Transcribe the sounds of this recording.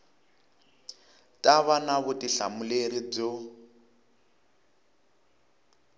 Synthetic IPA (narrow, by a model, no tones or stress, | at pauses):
tʼaβanaβutiɬamuleɾib͡ʐɔ